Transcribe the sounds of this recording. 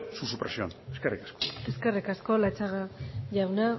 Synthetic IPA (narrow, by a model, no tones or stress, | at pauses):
susupɾesio̰neskerikḁsko̥e̞skerikasko̞lat͡ʃaɣaʝawna